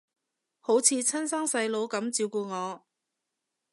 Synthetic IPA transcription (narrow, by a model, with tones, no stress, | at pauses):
ho˨˥wt͡sʰiː˧t͡sʰɐ˥nsaː˥ŋsɐ˧jlo˨˧wkɐ˨˥mt͡siː˧wkuː˧ŋɔː˨˧